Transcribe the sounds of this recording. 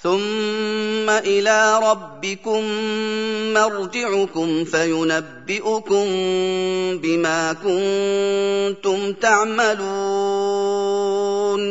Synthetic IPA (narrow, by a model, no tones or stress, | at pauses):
θʊmː | aʔɪlaːɾˤɑbːɪkʊmː | ɑɾd͡ʒɪʕʊkʊmfajʊnabːɪʔʊkʊm | bɪmaːkʊn | t̪ʊmt̪aʕmaluː | n